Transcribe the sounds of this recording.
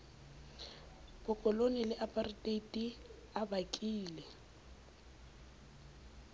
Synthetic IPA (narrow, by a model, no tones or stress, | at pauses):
b̥ʊkʼɔlonɪlɪʔapʼaritʼetʼi | abakʼiːlɛ